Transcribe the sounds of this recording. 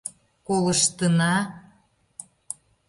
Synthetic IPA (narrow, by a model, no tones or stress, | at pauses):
koləʃt̪ənɑ